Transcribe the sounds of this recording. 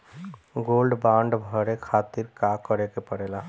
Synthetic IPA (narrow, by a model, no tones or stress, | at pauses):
ɡolɖbãɳɖbʱəɾekʰat̪iɾkakəɾekepəɽela